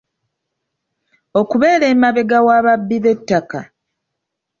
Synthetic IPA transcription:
o̞kuβe̞ːɾe̞ːmaβe̞ɡawaːβabːiβe̞tːaka

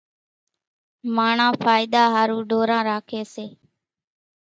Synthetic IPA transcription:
maːɳãːfʰaːɪd̪aːɦaːɾũːɖoːɾãːɾaːkʰeːseː

